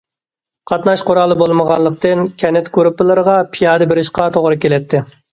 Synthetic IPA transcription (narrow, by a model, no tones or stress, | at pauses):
qʰɑt̪nɑʃqoɾɑlˠɨbolˠməʁɑnlˠəqt̪ɨnkʲʰɛnɛt̪kuɾpɨlˠɨɾəʁɑpʰijɑːd̪ɨbɪɾɪʃqɑt̪ʰoʁɾɨkʲelɛt̪ʰːɪ